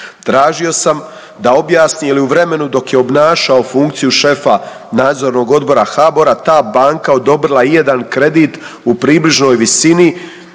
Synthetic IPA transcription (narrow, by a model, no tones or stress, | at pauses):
t̪ɾaːʒio̞sam | d̪ao̞bjaːsniliuʋɾe̞me̞nud̪o̞kjeo̞bnaːʃao̞fuŋkt̪sijuʃe̞fa | naːd̪zo̞ɾno̞ɡo̞d̪̚bo̞ɾaxabo̞ɾat̪aːbaːŋkao̞d̪o̞bɾilˠaije̞d̪ankɾe̞d̪iːt̪upɾiːbliʒno̞ːjʋisini